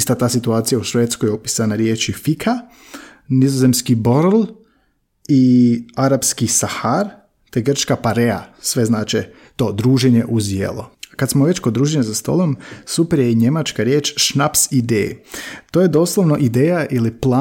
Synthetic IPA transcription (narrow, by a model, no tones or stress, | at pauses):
st̪at̪aːsit̪uaːt̪sijauʃʋeːt̪skojopisanaɾje̞ːt͡ʃifikʰa | nizoze̞mskiboɾl | iaɾapskisaxaɾ | t̪eɡr̩t͡ʃkapaɾea̰sʋe̞znaːt͡ʃe | t̪o̞ːd̪ɾuːʒeɲe̞ʔuzjḛlokat̪smoʋe̞t͡ʃkod̪ɾuːʒeɲazast̪o̞̰lˠo̞msupeɾjeɲe̞mat͡ʃkaɾje̞ːt͡ʃʃnapsid̪ḛːt̪oːjed̪o̞ːslˠoʋnoʔid̪eːjaʔiliplˠaː